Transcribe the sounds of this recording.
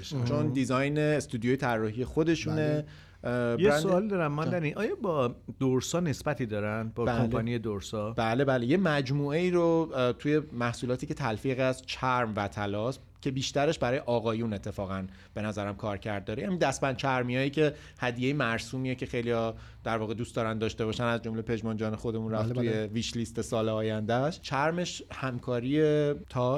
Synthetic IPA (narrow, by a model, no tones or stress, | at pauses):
t͡ʃʰond̪izɒjneːst̪uːd̪ijojet̪ʰærːɒːɦiːje̞xod̪e̞ʃuːne̞ | jeɾsnoɒːlid̪ɒɾæmmɒnd̪æniʔɒːjɒbɒːd̪̥oɾsɒːne̞sbæt̪ʰid̪ɒɾænbɒbækːoɒnijed̪oɾsɒbæːle̞bæːlejemæd͡ʒmuːe̞iːɾot̪ʰuje̞mæhsuːlɒːt̪ʰiːcʰe̞t̪ʰælfiːɣæzt͡ʃʰæɾmvæt̪ʰælɒːs | cʰe̞biːʃt̪æɾe̞ʃbæɾɒːjeʔɒːɣɒːjune̞t̪ʰːe̞fɒːɣæn | b̥e̞næzæɾæmkʰɒːɾcʰæɾd̪̚ːɒɾejænid̪æspænt͡ʃʰæɾmijɒːjiːcʰe̞ | hæd̪ijejimæɾsuːmijecʰe̞xe̞jlijɒ | d̪̥æɾvɒːɣe̞d̪uːst̪d̪ɒːɾænd̪ɒːʃt̪e̞βɒːʃænæzd͡ʒo̞mle̞pʰe̞d͡ʒmɒnd͡ʒɒːnexo̞d̪e̞munɾæft̪ʰujjeviːʃlist̪esɒːleɒːjænd̪æʃt͡ʃʰæɾme̞ʃhæmkʰɒːɾiet̪ʰɒ